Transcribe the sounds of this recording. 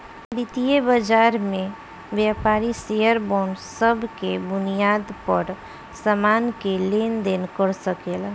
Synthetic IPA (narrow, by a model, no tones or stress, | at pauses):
b̪ɪt̪ijebəd͡ʒaːɾmẽ | ʋjapaːɾisejəɾbɔːɳsəbkebʊnijaːd̪pəɾ | səmaːnkeleːnd̪eːnkəɾsəkela